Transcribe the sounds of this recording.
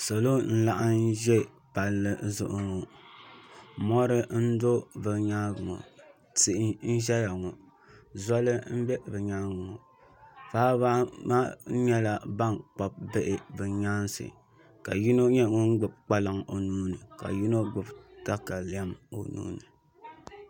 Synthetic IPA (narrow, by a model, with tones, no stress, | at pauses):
so˨lo˦n̩˦la˦ʔa˦n˦ʒɛ˦ | pa˨lːɨ˦zʊ˦ʔʊ˨ŋɔ˨ | mɔ˦ɾɨ˦n̩˦do˦bɨ˨ɲa˦ɡŋɔ̰˨ | ti˦ʔɪ˦n̩˦ʒɛ˦ja˨ŋɔ˨ | za˦lɨ˦m̩˦bɛ˦bɨ˨ɲa˦ɡŋɔ˨ | faː˦ba˦ma˦ɲɛ˦la˨ba˦ŋk͡pa˦p̚bɛ˦ʔɪ˨bɨ˨ɲa˦nsɨ̰˨ | ka˨ji˦no˦ɲɛ˦˨ŋɔ˦ŋ̩˦ɡ͡bɨ˨b̚k͡pa˦lɨ˦ŋo˨nuː˦nɨ˨ka̰˨ji˦no˦ɡ͡bɨ˨bta˦ka˨li˨˦a˦mo̰˨nṵː˦nɨ˨